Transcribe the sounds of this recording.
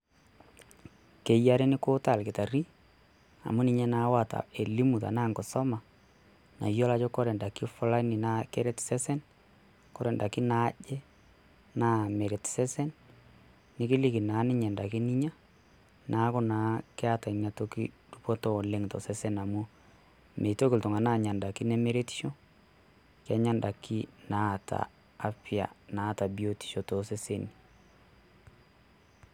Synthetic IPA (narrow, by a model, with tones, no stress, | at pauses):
ke˨ja˦ɾe˦nɪ˦kʊ˦ta˨lkɪ˨ta˨ri˦ | a̰˨mʊ˦nɪ˦ɲɛ˦na˨˦wa˨ta̰˨e˨li˦mu˨ta̰˨naː˦˨ŋɡɔ˨sɔ˦ma˨ | na̰˨jɔ˦la˦t͡ʃɔ˦kɔ˦ɾɛ˨nda˨ki˦fʊ˦la˦ni˨na˦ke˦ɾɛ˦tsɛ˦sɛ˦n | kɔ˦ɾɛ˨nda˨ki˦na˦ʄɛ˦ | naː˦˨me˨ɾɛ˨tsɛ˦sɛ˦nː | ɪ˦kɪ˦li˦ki˨naː˨˦nɪ˦ɲɛ˨nda˨ki˦ni˦ɲa˦ | nʔa˨˦kʊ˦na˨˦kɛ˦a˦ta˨i˨ɲa˨to˦kḭ˦ | d̥u˦pɔ˦tɔ˦˨le˦ŋtɔ̰˨sɛ˦sɛ˦na˨mu˦ | me˨to˦kɪ˨ltʊ˨ŋa˨naː˦˨ɲa˨nda˨ki˦nɛ˦me˦ɾe˦ti̥˦ʃo˦ | ka˦ɲa˦nda˨ki˦na˦˨ta̰ː˨˦ | pja̰˨naː˨˦˨ta˨bi˦o˦ti̥˨ʃo˨tɔ˨sɛ˦se˦ni˨